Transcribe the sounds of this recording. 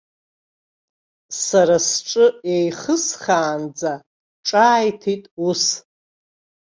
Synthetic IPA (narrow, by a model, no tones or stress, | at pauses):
saɾasʈ͡ʂʼɨejχəsχaːnd͡za | ʈ͡ʂʼaːjtʰitʼus